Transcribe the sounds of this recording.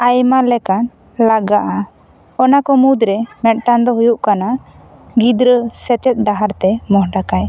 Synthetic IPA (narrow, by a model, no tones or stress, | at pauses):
ajmalɛkan | laɡaʔa | ɔnakɔmud̪ɾɛmɛt̪̚ʈand̪ɔɦujuʔkana | ɡid̪ɾəsɛt͡ʃɛt̪̚ˀd̪aɦaɾt̪ɛmɔɦɖakaj